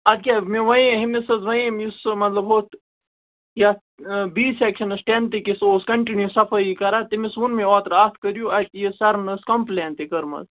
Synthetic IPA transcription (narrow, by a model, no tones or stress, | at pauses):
ɐd̪̚kʲaːmiʋɐ̃j̃ɦimisɐzʋɐjmjusmɐt̪lɐbɦoːt̪ | jɐ | biːsekʃɐnɐsʈent̪ikisoːskɐɳʈinjusɐfɐikɐɾat̪imisunmiot̪ɾaːt̪ʰkəɾjuɐt̪jisɐɾnɐskɐmpleːnt̪ikɐɾmɐ̰s